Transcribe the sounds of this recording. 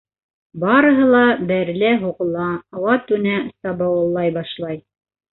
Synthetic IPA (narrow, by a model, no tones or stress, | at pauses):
bɑɾɤ̆ɦɤlˠɑbæɾlæɦuqɤ̆lˠɑɑwɑt̪ʉnæsɑbɑwɤ̆lˠːɑjbɑʃlˠɑj